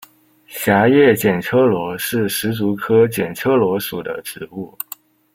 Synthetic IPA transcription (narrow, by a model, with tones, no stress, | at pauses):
ɕja˧˥jɛ˥˩t͡ɕjɛ˨˩nʈ͡ʂʰɤ˥lwɔ˧˥ʂɻ̩˥˩ʂɻ̩˧˥t͡su˧˥kʰɤ˥t͡ɕjɛ˨˩nʈ͡ʂʰɤ˥lwɔ˧˥ʂu˨˩d̪ə̰˦ʈ͡ʂɻ̩˨˩u˥˩